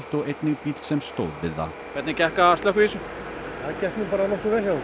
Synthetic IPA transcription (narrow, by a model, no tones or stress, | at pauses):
ft̪ɔɣejt̪nɪɣpit̪sɛmst̪oːwðvɪɾða̰ | kvɛt̪nɪcɛhkaast̪lœkisʏ | aðcɛhknɪpaːɾanɔhkʏvɛɾ̥ja